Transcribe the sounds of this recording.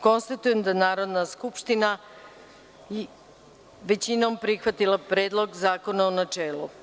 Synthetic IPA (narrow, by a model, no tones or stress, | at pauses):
ko̞nst̪at̪ujemd̪anaːɾo̞d̪naskupʃt̪ina | ʋe̞t͡ɕino̞mpɾixʋat̪ilˠapɾeːd̪lˠo̞ɡzaːko̞naonat͡ʂeːlu